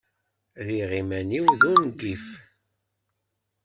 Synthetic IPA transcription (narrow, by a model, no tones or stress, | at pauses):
ðiʁimæniwðunɡif